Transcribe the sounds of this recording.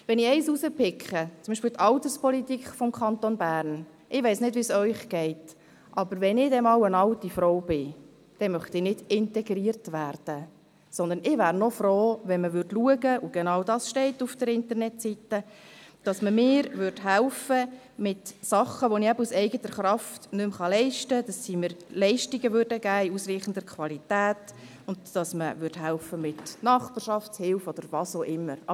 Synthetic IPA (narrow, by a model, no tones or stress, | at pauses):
ʋɛnɪɛɪsusəpɪkχət͡sʊmbiʃpɪlt̪ʰɑlt̪əspʰɔlit̪ikχfɔmkʰɑnt̪onbæːɾn | ʔɪʋɛɪsnɪdvisœʏχɡ̥ɛɪt | ʔɑbəɾʋɛnɪdɛmɑwənɑltifɾɔʊb̥ɪ | d̥ɛmœχt̪ɪnɪd̥ɪntɛɡɾiːɾtʋæːɾd̥ə | sɔnd̪ənɪʋæːɾnɔfɾoːʋɛnməʋʏɾdluəɡəʔʊɡ̥ɛnɑwdɑːsʃtɛɪtːufd̥əɾɪnt̪əɾnɛtsitəd̥ɑsməmɪːɾʋʏɾdɦælfə | mɪtsɑχəʋoniæbəusɛɪɡətəɾχɾɑftnʏmχɑlɛɪʃtəd̥ɑsːiməɾlɛɪʃtiɡəʋʏːɾdəɡæːiusɾiːχən̩dəɾkʰʋɑlitæːt | ʊnd̥ːɑsməʋʏɾdhælfəmɪtnɑχbɑːɾʃɑftt͡shɪlfɔd̥əɾʋɑsoːʔɪmːəɾɑ